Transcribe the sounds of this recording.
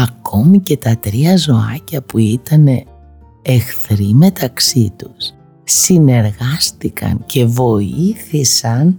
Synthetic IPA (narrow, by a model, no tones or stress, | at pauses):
ɐko̞mice̞t̪ɐt̪ɾiɐzo̞ɐ̰cɐpuit̪ɐne̞ː | xθɾime̞t̪ɐksit̪usː | ine̞ɾɣɐst̪ikʰɐ̰ncʰe̞vo̞iθisɐn